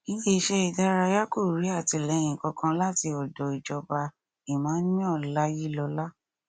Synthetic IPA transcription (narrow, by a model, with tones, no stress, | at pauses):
ĩ˦de˦˧˦ʃɛ˦i˨da˦ɾa˧ja˦ko˦˨ɾi˨˦a˦˨ti˨˧˨lɛ˨˦j̃ĩ˨kɔ˧kã˧la˦˨ti˧ɔ˨dɔ˨i˨d͡ʒɔ˧ba˧ | i˨mãː˨˦n̩˦nĩ˦ɔ˦˨la˦ji˦lɔ˧la˦